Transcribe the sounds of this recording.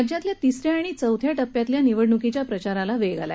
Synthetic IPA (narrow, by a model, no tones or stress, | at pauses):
d͡ʑjat̪ljat̪isɾjaːɽ̃it͡səwt̪ʰjaʈəpːjat̪ljaniʋəɽɳukit͡ɕjapɾət͡ɕaɾalaʋeɡa̰la̰